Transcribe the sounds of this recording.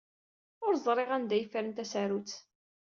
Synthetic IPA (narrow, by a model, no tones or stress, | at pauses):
ʊɾzˤɾˤeʁænd̪æjəfəɾənt̪æsæɾut͡sː